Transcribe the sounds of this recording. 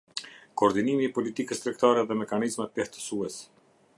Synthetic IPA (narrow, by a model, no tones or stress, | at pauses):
kɔːɾd̪inimiːpɔlit̪ikəst̪ɾɛk̚t̪aɾɛðɛmɛkanizmɛt̪̚ɛht̪ə̥suɛs